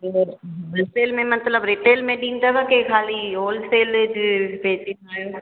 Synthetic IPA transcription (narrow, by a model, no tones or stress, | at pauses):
oːlseːlmẽmɐt̪ləbɾɪʈeːlmẽɖiːnt̪aɡakekʰaːlioːlseːld͡ʒpeːt͡ʃenaːjũ